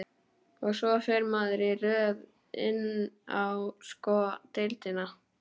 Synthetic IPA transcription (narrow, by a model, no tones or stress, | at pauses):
ɔɣsvɔfɛɾmaːðɾɪrœːv | ɪ̰nːawskɔːt̪ejlt̪ɪna